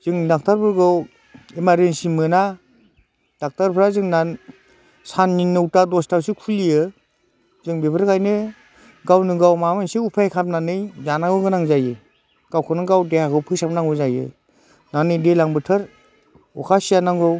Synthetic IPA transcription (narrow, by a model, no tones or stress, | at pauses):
z̥ɯŋdak̚taɾpʰɯɾɡɯw | imaɾensimɯna | d̥ak̚taɾpʰɯɾazɯŋnan | sanːiŋnɯwtadɔstawsikʰulijɯ | zɯŋbebʰɯɾkajnɯ | ɡawnɯɡawmamɯnsiupʰajkʰap̚nanɯjzanaŋɡɯɡɯnaŋzajɯ | ɡ̥awkʰɯnɯɡawdehakʰɯwpʰɯsap̚naŋujzajɯ̰ | nanɯjdelaŋbɯtʰɯɾ | ɔkʰasijanaŋɡɯw